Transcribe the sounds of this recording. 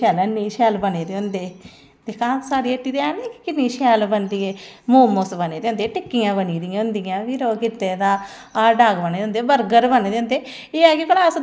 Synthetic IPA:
ɛːlənːiːʃɛːlbəneːd̪eːʊnd̪eː | t̪eːkãːsaːɾiːəʈːiːd̪eːaːnekkɪnːiːʃɛːlbənd̪ieːmoːmosbəneːd̪eːʊ̃nd̪eːʈɪkːijãːbəniːd̪ijẽʊnd̪ijãːʋiːɾoːkɪt̪ːeːd̪ãː | aːɖaːɡbəneːd̪eʊnd̪eːbəɾɡəɾbəneːd̪eːʊnd̪eː | eːaːɡiklaːs

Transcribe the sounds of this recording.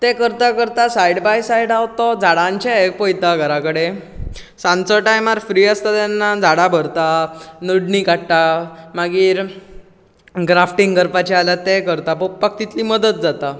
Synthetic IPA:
t̪ekəɾt̪akəɾt̪asajɽbajsajɽawt̪ɔd͡zaɽãɲt͡ɕaek̚pojt̪aɡʱəɾãkəɽe | sãnt͡sɔʈajmaɾfɾiːəst̪at̪janːad͡zʱaɽabʱəɾt̪anəɽɳikaʈʈamaɡiːɾ | ɡɾafʈiŋɡɡəɾpat͡ɕɛalat̪ekəɾt̪apopːakt̪it̪liməd̪ət̪̚d͡zat̪a

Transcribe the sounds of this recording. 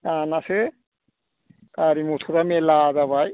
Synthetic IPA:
kanase | kaɾimut̪ʰuɾamelazaβaj

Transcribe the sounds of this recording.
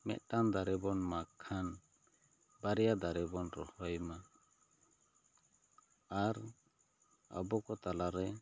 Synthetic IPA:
mɛ̰ʔ̪̚ʈand̪aɾɛbɔnmakʰːan | baɾɛjad̪aɾɛbɔnɾɔhɔjma | aɾ | ə̰bɔkɔt̪alaɾɛ

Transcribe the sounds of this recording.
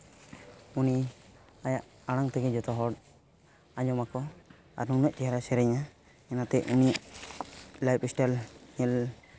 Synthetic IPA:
uni | ajaʔ | aɽ̃aŋt̪ɛɡɛd͡ʒɔt̪ɔɦɔɽ | aɲɔmakɔ | a̰ɾnunɔʔ̚t͡ʃɛɦaɾasɛɾɛɲa | ɛnat̪ɛuniʔ | lajpɛsʈalɲɛl

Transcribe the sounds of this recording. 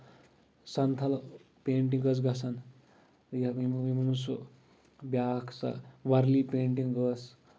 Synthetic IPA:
sɐnt̪ʰɐl | peːɳʈ̬iŋɡəs̬ɡɐsʰɐn | jɐimmimunusu | bjaːkʰsa̰ʋɐɾlipeːɳʈiŋɡəs

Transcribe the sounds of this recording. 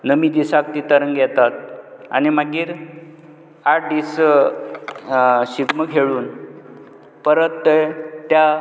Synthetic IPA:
nəmid̪isak̚t̪it̪əɾəŋɡʱɛt̪at̪̚a̰ñimaɡiːɾ | aʈ̚d̪is | ɕiɡməkʰeɭuːn | pəɾət̪ːət̪ja

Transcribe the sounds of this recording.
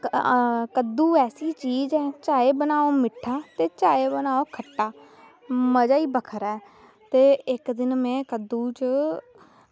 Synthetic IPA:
kəd̪uːɛːsiːt͡ʃiːzɛːt͡ʃaːeːbənaːoːmɪʈʰːaːt̪eːt͡ʃaːeːbənaːoːkʰəʈːaː | məd͡ʒaːiːbəkʰəɾɛː | t̪eːɪkd̪ɪnmɛ̃ːkəd̪uːt͡ʃ

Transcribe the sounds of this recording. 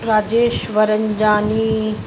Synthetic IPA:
ɾaːd͡ʒeːʃʋɐɾəɲd͡ʒaːni

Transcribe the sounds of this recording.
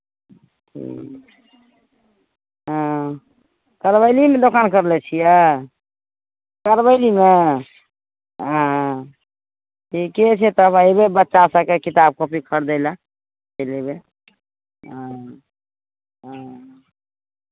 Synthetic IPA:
tʰḭ | ɦə̃ | kəɾbəɪlimed̪okankəɾlɛt͡ʃʰijɛ | kəɾbəɪlime | ɦã | tʰiket͡ʃʰɛt̪əbajebebətːʃasəkekit̪ab̚kopikʰəɾd̪əɪla | əjlebe | ɦã | ɦ

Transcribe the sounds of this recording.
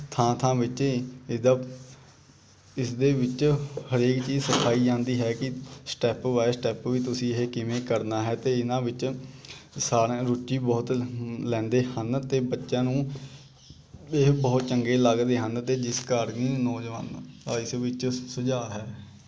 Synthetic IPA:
t̪ʰãːt̪ʰãːʋɪt͡ʃɪd̪əb | ɪsd̪eːʋɪt͡ʃhəɾeːkt͡ʃiːsəkʰaːiːd͡ʒãːnd̪iːɦɛːkɪsʈɛːpʋaːesʈɛːpʋiːt̪ʊsĩːɪɦekɪmẽːkəɾnaːɦɛːt̪eːɪnãːʋɪt͡ʃ | saːɾẽːɾʊt͡ʃːiːbɔːt̪lɛ̃ːnd̪eːhənt̪eːbətːʃãːnũː | ɪɦbɔːt̪t͡ʃəŋɡeːləɡd̪eːɦənt̪eːd͡ʒɪskəɾniːnɔːd͡ʒʋə̰ːntaːɪsʋɪt͡ʃsəd͡ʒaːɦɛː

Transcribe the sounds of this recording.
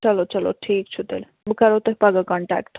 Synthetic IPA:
ʌlot͡ʃʌlo̰ʈʰiːk̚t͡ʃʰut̪ḛl | bukaɾot̪oɦpaɡakɔɳʈa̰kʈ

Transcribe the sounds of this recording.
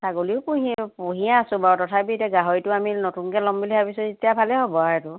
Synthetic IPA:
saɡoliʊpuɦipuɦijaːsʊ̃batɔtʰapitɛɡaɦɔɹitʊaminotunkɛlɔmbiliabisɔzetijabʱalɛɦobɔaɹɛtʊ

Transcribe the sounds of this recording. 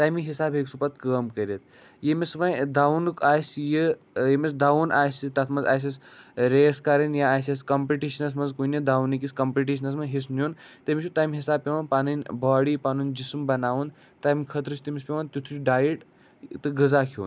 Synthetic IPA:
t̪aːjmiɦisaːbɦeksupɐt̪̚kəːmkəɾʲet̪̚ʰ | jemisʋɐjd̪aunɨkʰaːjsji | jemis̬d̪aːʋunʔaːjsit̪ɐt̪ʰmɐnzaːjs̬isɾeːskaɾɐnjaaːjses̬kɐmpiʈiːʃɐnɐs̬mɐnzkuned̪aːʋunikʲiskɐmpiʈiʃ̬ɐnɐs̬mɐnɦis̬njunt̪ɐmiʃʰut̪aːjmiɦisaːb̚pʲeʋanpaːnɨnʲbaːɽiːpaːnunʲd͡ʒismbɐnaːʋund̪ | t̪aːjmʲkʰɐt̪ɾut͡ʃʰt̪imispʲeʋant̪ʲut̪ʰɾiɖaːjiʈ | t̪ɨɡɨzaːkʰṵːn

